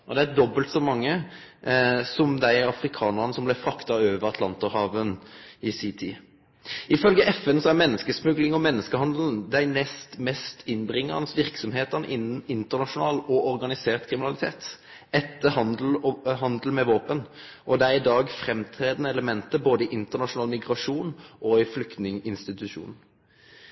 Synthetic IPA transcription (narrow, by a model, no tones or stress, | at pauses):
ʔɔd̪ɛæɛd̪ɔbːəlt̪sɔmɑŋːə | sɔmd̪æɪɑfɾɪkʰɑːnəʁnəsɔmblɛfʁɑkt̪ɑøːʋəɾɑt̪ʰlɑnt̪əhɑːʋənɪsit̪ʰɪ | ɪfœlɡəʔɛfɛnsɔæɾmɛnːəskəsmʉɡlɪŋɔmɛnːəskəhɑnd̪ln̩d̪æɪnɛst̪mɛst̪ʰɪnbʁɪŋːəʁnəsʋɪʁksɔmheːt̪əʁnəʔɪn̩ɪnt̪əʁnɑʂʊnɑːlɔʔɔɾɡɑnɪseːʁt̪kʰɾɪmɪnɑlɪt̪ʰeːt̪ | ɛt̪ːəhɑl̩ɦɑnd̪l̩mɛʋoːpənʔɔd̪ɛæɾɪd̪ɑːɡfɾɛmt̪ʰɾeːd̪ənəɛləmɛnt̪əboːd̪əɪʔɪnt̪əʁnɑʂʊnɑːlmɪɡʁɑʂuːnʔɔɪflʏkt̪nɪŋɪnst̪ɪt̪ʉʂṵːnn̩